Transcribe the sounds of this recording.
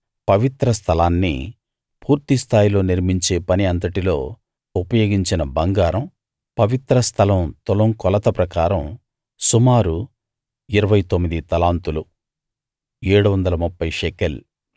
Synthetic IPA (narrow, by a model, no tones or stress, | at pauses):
pɐʋit̪ɾɐst̪ʰɐlaːnːḭ | puːɾt̪ist̪ʰaːjilo̞ːniɾmiɲt͡ʃe̞ːpɐniɐnt̪ɐʈilo̞̰ː | upɐjo̞ːɡiɲt͡ʃinɐbɐŋɡaːɾɐm | pɐʋit̪ɾɐst̪ʰɐlɐmt̪ɔlɐŋkɔlɐt̪ɐpɾɐkaːɾɐm | sumaːɾu | iɾɐʋɐjt̪omːid̪it̪ɐlaːnt̪ulu | eːɽuʋɐnd̪ɐlɐmupːɐjʃɛkel